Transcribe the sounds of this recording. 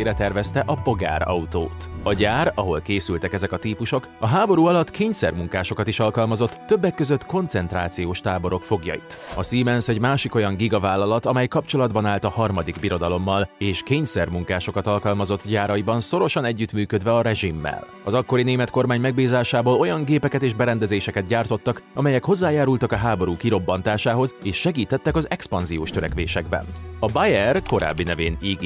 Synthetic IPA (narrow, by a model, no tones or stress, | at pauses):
ɾɛt̪ɛrvɛst̪ɛʔɒpo̞ɡa̰ːɾɒ̰ut̪o̰ːt̪ɒɟaːɾɒɦo̞lkeːsylt̪ɛkɛzɛkɒt̪iːpuʃo̞k | ɒɦaːbo̞ɾuːɒlɒt̪kʰeːɲsɛrmuŋkaːʃo̞kɒt̪iʃɒlkɒlmɒzo̞t̪ːø̞bːɛkːøzø̞t̪ːko̞nt̪sɛnt̪raːt̪sijoːʃt̪aːbo̞ɾo̞kfo̞ɡjɒ̰jḭt̪ɒsiːmɛnsɛɟmaːʃiko̞jɒŋɡiɡɒvaːlːɒlɒt̪ɒmɛjkɒpt͡ʃo̞lɒd̪bɒnaːlt̪ɒhɒrmɒd̪iɡbiɾo̞d̪ɒlo̞mːɒleːʃkeːɲsɛrmuŋkaːʃo̞kɒt̪ɒlkɒlmɒzo̞t̪ːɟaːɾɒjibɒnso̞ɾo̞ʃɒnɛɟːyt̪myːkød̪vɛɒɾɛʒimːɛ̰l | ɒzɒkːo̞ɾineːmɛt̪ko̞rmaːɲmɛɡ̚biːzaːʃaːboːlo̞jɒŋɡeːpɛkɛt̪eːʒbɛɾɛnd̪ɛzeːʃɛkɛt̪ɟaːrt̪o̞t̪ːɒkɒmɛjɛkho̞zːaːjaːɾult̪ɒkɒɦaːbo̞ɾuːkiɾo̞bːɒnt̪aːʃaːɦo̞zeːʃːɛɡiːt̪ɛt̪ːɛkɒzɛkspɒnzijoːʃt̪øɾɛ̰kʋeːʃɛɡbɛ̰nɒbajɛrko̞ɾa̰ːbːinɛveːniːɡ